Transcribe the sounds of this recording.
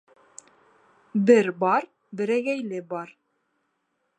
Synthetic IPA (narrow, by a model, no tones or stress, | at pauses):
bɘɾbɑɾ | bɘ̆ɾæɡæjlɘbɑɾ